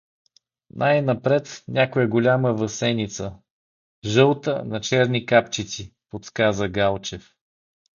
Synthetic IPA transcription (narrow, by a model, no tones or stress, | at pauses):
nʔajnɐpɾɛt̪nʲakojɛɡolʲaməvəsɛnit̪sə | ʒɤlˠt̪ə̰nɐt͡ʃɛɾnikapt͡ʃit̪sipot̪skazəɡalˠt͡ʃɛf